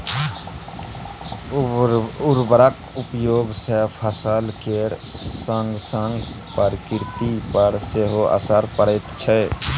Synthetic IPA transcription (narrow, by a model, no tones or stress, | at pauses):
ʊɾbəɾək | upjoːɡsepʰəsəlkeɽsəŋɡsəŋɡ | pəɾkɪɾt̪ipəɽseɦoʔa̰səɾpəɽət̪t͡ʃʰɛ